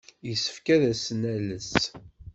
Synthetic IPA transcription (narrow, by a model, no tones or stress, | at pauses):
jəsə̥fkæðæsnæləs